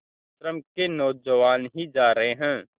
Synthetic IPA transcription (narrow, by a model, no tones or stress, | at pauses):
ʃɾəmkenɔːd͡ʒəʋaːnɦid͡ʒaːɾɐɦeɦɛ̃ː